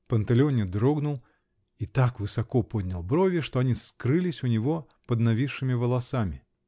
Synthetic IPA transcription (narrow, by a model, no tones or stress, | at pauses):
pɐnt̪ɐlʲɔnʲɛd̪ɾɔɡnulˠ | it̪akvɨsakɔpɔd̪ʲnʲɐlˠbɾɔvʲɛʂt̪ɔanʲiskɾɨlʲisʲunʲivɔ | pɐd̪navʲiʂːɨmʲivɐlˠasamʲi